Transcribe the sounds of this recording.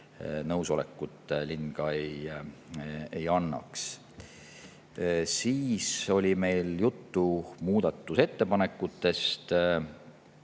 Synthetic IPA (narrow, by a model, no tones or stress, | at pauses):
nɤwso̞lḛkːut̪ːˑlinɡ̥ɑej | e̞jɑnːɑ̰ks | siːso̞lʲime̞jljut̪ːumuːd̪̥ɑt̪ːuse̞t̪ːe̞pɑnekːˑut̪ːe̞st̪